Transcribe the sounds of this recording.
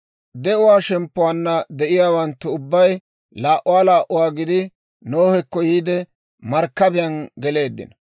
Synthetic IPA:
d̪ɛʔʊwaːʃɛmpːʊwaːnːɐd̪ɛʔɪjaːwɐnt̪ːʊʊbːɐj | laːʔʊwaːlaːʔʊwaːɡɪd̪ɪ | noːhɛkːɔjiːd̪ɛ | mɐɾkːɐbɪjɐnɡɛle̞ːd̪ːɪ̰nɐ

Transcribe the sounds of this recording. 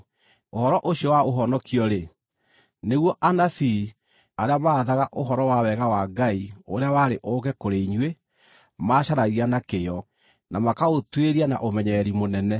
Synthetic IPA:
ohɔɾɔʔoɕiɔwaoɦɔnɔkiɔɾe | neɣwɔʔanafi | aɾeamaːðaɣaʔoɦɔɾɔwawɛɣawaɡaioɾeawaɾeʔoɣɛkoɾeiɲwe | maːɕaɾaɣianakejɔ | namakaotweɾiana̰ʔomɛɲɛɾimonɛnɛ

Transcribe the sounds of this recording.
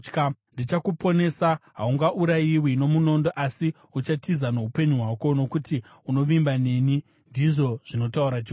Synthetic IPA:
kndit͡ʃakupo̞ne̞saɦa̰uŋɡaʔuɾajiwino̞muno̞ndoʔasi | ut͡ʃatizano̞upe̞ɲuɦwako̞no̞kuti | uno̞ʋimbane̞ni | ndiʐo̞ʐ̥ino̞tauɾat͡ʃi

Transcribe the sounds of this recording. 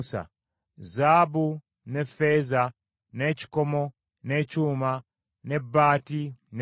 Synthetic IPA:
sa̰ | zabu | nefeza | neci̥komo | necuːma | nebaːtin

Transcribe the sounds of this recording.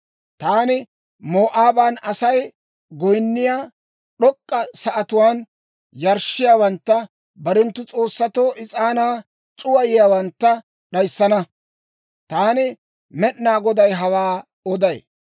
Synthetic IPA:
t̪aːnɪ | moːʔaːbanɐsɐj | ɡɔjnːɪjaː | ɗɔkʼːɐsɐʔɐt̪ʊwaːn | jɐɾʃɪjaːwɐnt̪ːɐ | bɐɾɛnt̪ːʊt͡sʼo̞ːsːɐt̪oːʔɪt͡sʼaːnaː | t͡sʼʊwɐjɪjaːwɐnt̪ːɐ | ɗɐjsːɐnɐ | t̪aːnɪ | mɛɗnaːɡɔd̪ɐjɦɐwaː | ɔd̪ɐj

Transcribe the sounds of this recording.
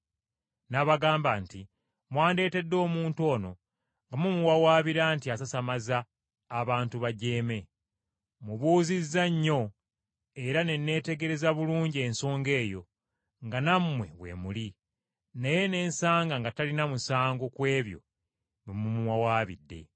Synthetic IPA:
naβaɡaːmbanti | mwaːnde̞ːte̞dːo̞ːmuːntuo̞ːno̞ | ŋɡamumuwawaːβiɾaːntiasasamazaː | βaːntuβaɟe̞ːme̞ | muβuːzizːaɲːo̞ | e̞ɾane̞nːe̞ːte̞ɡe̞ɾe̞zaβuluːɲɟienso̞ːŋɡe̞ːjo̞ | ŋɡanamːwe̞̰βwe̞̰muli | neje̞ne̞ːnsaːŋɡaŋɡatalinamusaːŋɡokwe̞ːβjo̞̰ | βemumuwawaːβḭdːe̞̰

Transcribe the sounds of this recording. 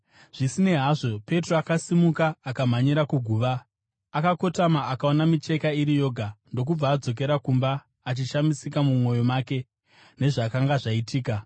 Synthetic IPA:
ʐ̥isine̞ɦaʐo̞pe̞troakasimukaːkam̤aɲiɾakuɡʱuːʋaː | kako̞tamaakaonamit͡ʃe̞kaiɾijo̞ɡʱando̞k̬ub͡vaːd͡zo̞k̬e̞ɾakumbaː | t͡ʃiʃamisikamumwo̞jo̞maːke̞ | ne̞ʐakaŋɡaʐaitiːka

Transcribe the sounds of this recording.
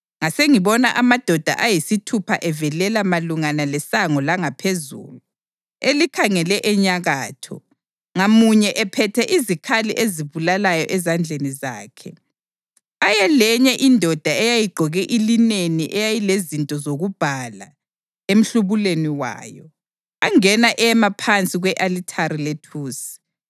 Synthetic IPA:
ŋaseŋiβɔnaʔamad̥ʱɔd̥ʱa̰ʔajisitʰupʰaʔɛvɛlɛlamaluŋanalɛsaŋɔlaŋapʰezṵːlu | elikʰaŋɛlɛʔɛɲaɣaːtʰɔ̰ | ŋamuɲɛʔɛpʰɛtʰɛʔizikʰalḭʔeziβulalajɔʔɛzand͡ɮʱeniza̰ːkʰɛ | ajɛlɛɲɛʔindʱɔd̥ʱaɛjajiɡ͡ǃʱɔɣɛʔilineniʔɛjajilezintʼɔzoɣub̥ʱala | em̩ɬuβuleniwa̰ːjɔ | aŋɛnaʔɛjɛmapʰant͡sʼiɣwɛʔalitʰaɾiletʰuːsi̥

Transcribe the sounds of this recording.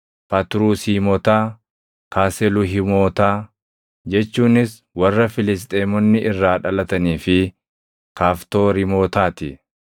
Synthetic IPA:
pɐt̪ɾuːsiːmɔt̪aː | kaːsɛlʊɦɪmoːt̪aː | d͡ʒɛt͡ʃːuːnɪs | wɐrːɐfɪlɪs̬t̪ʼeːmɔnːɪʔɪrːaːᶑɐlɐt̪ɐniːfɪ | kaːft̪o̞ːɾɪmo̞ːt̪aːt̪ɪ

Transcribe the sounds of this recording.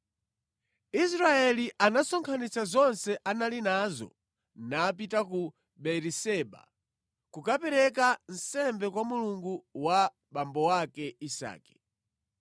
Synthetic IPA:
is̬ɾaɛliʔanasɔŋkʰanit͡sazɔnsɛʔanalinazɔ̰ | naːp̬itaku | ɓɛɾisɛːɓa̰ | kukapɛɾɛkan̩sɛmbɛkwamuluŋɡuwa | ɓambɔwakɛisa̰ːkɛ̥

